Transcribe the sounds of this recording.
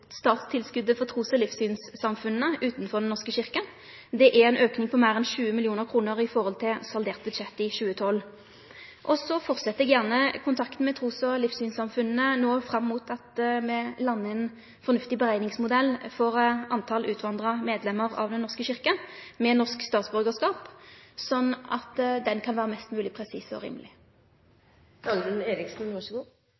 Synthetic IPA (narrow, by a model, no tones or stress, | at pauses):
st̪ɑːt̪st̪ʰɪlskʉd̪əfɔʁt̪ʰʁuːsɔlɪfsyːnsːɑmfʉnːəʉːt̪n̩fɔʁd̪ɛnːɔʁskəɕɪʁkən | d̪ɛʔæʁɛnøːknɪŋpʰɔmæɪʁɛnʃʉːəmɪlɪuːnəʁkʰʁuːnəʁɪfɔʁhɔlt̪ʰɪlsɑld̪eːʁt̪̚bʉd̪ʃɛt̪ːɪɕʉːət̪ʰɔlː | ʔɔsɔfɔʁt̪sɛt̪əɛɡjæʁnəkʰʊnt̪ʰɑkt̪n̩mɛt̪ʰʁuːsɔlɪfsyːnsɑmfʉnnənoːfʁɑmːuːt̪ʰɑt̪mɛlɑnːəɛn | fɔʁnʉft̪ɪbəʁæɪnɪŋsmʊd̪ɛlːfɔʁɑnt̪ʰɑlʔʉːt̪ʰʋɑnd̪ʁɑmeːd̪lɛmːəʁɑ̰ʋd̪ɛnɔʂskəɕɪʁkənmɛnɔʁskst̪ɑːt̪sbʉʁɡəʁskɑːpsɔnːɑ̰t̪d̪ɛnkʰɑnʋæːʁəmɛst̪mʉːlɪpʰʁɛsiːsɔ̰ʁḭːmːəlɪ | d̪̥ɑːɡɾʉneːɾɪksn̩ʋɑʂɡuː